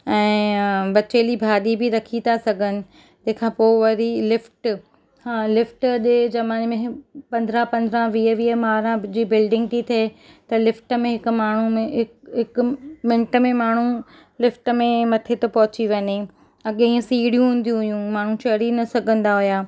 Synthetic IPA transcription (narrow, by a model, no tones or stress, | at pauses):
ɛ̃ːbɐt͡ɕeːlibʱaːɗibʱɪɾɐkʰit̪asɐɡʱənɪ̆ | t̪ɐ̃ɦkʰãːpoːʋɐɾilɪfʈ | hãːlɪfʈɗed͡ʑɐmaːnmẽɦpɐ̃nd̪ʱɾəpɐ̃nd̪ɾãʋiːəʋiːəmaːɾãd͡ʑiːbɪlɖɪ̃ŋɡt̪ʰit̪ʰet̪ɐlɪfʈəmẽɦɪkʊ̆maːɳ̤umẽɦɪɦɪkʊmɪ̃ɳʈə̆mẽmaːɳ̤u | lɪfʈəmẽmɐt̪ʰet̪ɐpɐɦʊt͡ɕiʋɐɲe | ɐɠiĩsiːɽijũɦũːnd̪ijũɦʊjũmaːɳ̤ũt͡ɕɐɾinɐsɐɡʱə̃nd̪aɦʊjaː